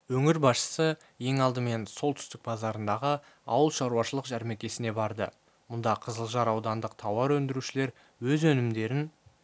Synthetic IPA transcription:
wɵŋɪɾbɑsʃə̥sə | je̞ŋɑlˠd̪əme̞nso̞lˠt̪ʰʏ̥st̪ɪk̚bɑzɑɾənd̪ɑʁə | ɑ̰wəlˠʃɑɾuwɑʃəlˠəqʒæɾmekʲe̞sɪne̞bɑɾd̪ə̰ | mʊnd̪ɑqʰəzəlˠʒɑɾɑwd̪ɑnd̪əqt̪ʰɑwɑɾwɵnd̪ɪɾuʃɪle̞ɾ | wɵzɵnɪmd̪e̞ɾɪn

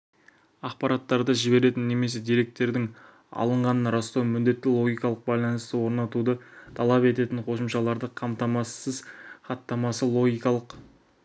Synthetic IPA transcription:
ɑqpɑɾɑt̪ːɑɾd̪ɑʒɪbe̞ɾe̞t̪ɪnːe̞me̞s̬e̞d̪ijɾe̞k̚t̪ːe̞ɾd̪ɪŋ | ɑ̰lˠəɴʁɑnənɾɑst̪ɑwmʏnd̪e̞t̪ːɪlˠo̞ɡʲijkɑlˠəq̚bɑjlˠɑnəst̪əwo̞ɾnɑt̪ud̪ət̪ʰɑlˠɑpe̞t̪e̞t̪ɪŋqʰo̞səmʃɑlˠɑɾd̪əqʰɑmt̪ɑmɑsəzχɑt̪ːɑmɑsəlˠo̞ɡʲijkɑlˠəq

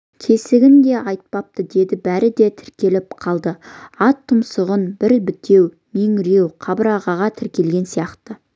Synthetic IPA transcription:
kʲʰe̞sɪɡʲɪnd̪e̞ʔɑjt̪̚pɑp̚t̪əd̪e̞d̪ɪbæɾɪd̪e̞t̪ʰɪ̥ɾkʲe̞lɪpqʰɑlˠd̪əɑt̪ʰːʊmsəʁənbɪɾbɪt̪ʰe̞w | meŋɾe̞wqʰɑbəɾɑʁɑʁɑt̪ʰɪɾkʲe̞lɡʲe̞nsijɑqt̪ə

